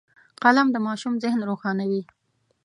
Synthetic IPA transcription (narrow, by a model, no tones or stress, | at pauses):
qalamd̪əmɑʃumzɪhnɾoxɑnawi